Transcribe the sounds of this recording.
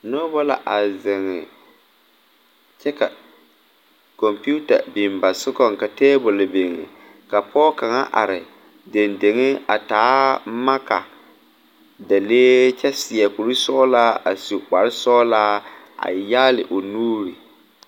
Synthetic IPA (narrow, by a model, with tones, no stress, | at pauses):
nɔ˦bɔ˦la˨ʔa˨zɪ˨ŋɪ˨ | t͡ʃɛ˦ka˨ | kɔ˨mpu˦ta̰˨bɪ˨mba˨sɪ˦kɔ˦ŋka˨teː˦bʊ˨lbe˨ŋɪ̰˨ | ka˨pɔː˦ka˨ŋa̰˦ʔa̰˨ɾɪ˨ | de˨nde˨ŋɪ˦a˨taː˨˦ma˦ka̰˨ | da˨leː˦t͡ʃɛ˦sɪ˨ɛ˨ku˨ɾi˦sɔː˦laː˦a˨su˨k͡pa˨ɾɪ˦sɔː˦laː˦ | a̰˨jaː˦lɪ˨ʔo˨nuː˦ɾi˨